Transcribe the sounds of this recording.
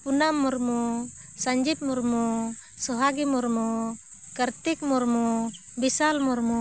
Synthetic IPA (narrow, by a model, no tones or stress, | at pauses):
punamːɔɾmu | saɲd͡ʒip̚mɔɾmu | sɔɦaɡimɔɾmu | kəɾt̪ik̚mɔɾmu | bisalmɔɾmu